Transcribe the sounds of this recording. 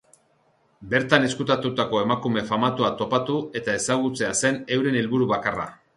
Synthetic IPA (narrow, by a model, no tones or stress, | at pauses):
be̞ɾt̪ane̞skut̪at̪ut̪ako̞e̞makume̞famat̪uat̪o̞pat̪ue̞t̪ae̞saɣ̞ut͡se̞ase̞ne̞wɾe̞nelβuɾuβakara̰